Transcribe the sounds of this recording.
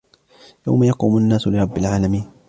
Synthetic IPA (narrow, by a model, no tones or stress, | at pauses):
ja̰wmajɑquːmʊnːaːsʊlɪɾˤɑbːɪlʕaːlamiːn